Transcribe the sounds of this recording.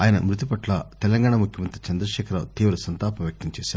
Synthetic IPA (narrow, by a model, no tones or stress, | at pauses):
aːjɐnɐmɾut̪ipɐʈlɐt̪ɛlɐŋɡaːɳamukʰjɐmɐnt̪ɾit͡ʃɐnd̪ɾɐʃɛːkʰɐɾɐt̪iːʋɾɐsɐnt̪aːpɐmjɐk̚t̪ɐɲt͡ʃɛːsaːɾ